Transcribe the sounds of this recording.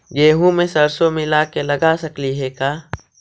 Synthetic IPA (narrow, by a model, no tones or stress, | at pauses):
ɡeːɦũmẽsɐɾsomɪlakelɐɡasɐkliɦɛkaː